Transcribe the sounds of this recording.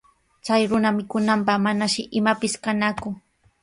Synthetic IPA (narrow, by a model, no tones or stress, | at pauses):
t͡sajɾʊnamɪkʊnampaχmanaʃɪʔɪmapɪskanakʊ